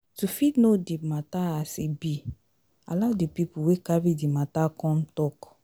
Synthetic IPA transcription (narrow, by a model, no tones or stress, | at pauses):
tufitnodemataasebi | a̰ladepipuwekabidimatakɔ̃mtɔk